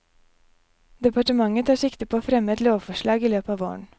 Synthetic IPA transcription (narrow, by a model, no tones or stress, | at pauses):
d̪ɛpɑʈəmɑŋət̪ʰɑːʂɪkt̪əpʰoːoːfɾɛmːəɛt̪loːʋfɔʂɭɑːɡiːløːpɑːʋoːə̰ɳ